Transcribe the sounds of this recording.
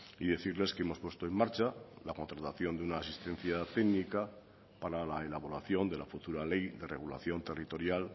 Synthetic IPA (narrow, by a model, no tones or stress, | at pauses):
iðe̞θiɾle̞skeemo̞spwe̞st̪oemːaɾt͡ʃalako̞nt̪ɾat̪aθjo̞nd̪eunaːsist̪e̞n̟θjat̪eɡnika | paɾalaelaβ̞oɾaθjo̞nd̪e̞lafut̪uɾale̞jðe̞reɣ̞ula̰θjo̞nt̪e̞rit̪o̞ɾjal